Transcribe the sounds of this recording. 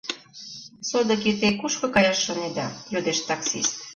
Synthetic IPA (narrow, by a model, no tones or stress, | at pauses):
sod̪ɤ̆kit̪ekuʃkɤ̆kɑjɑʃːoned̪ɑjod̪eʃt̪ɑksist̪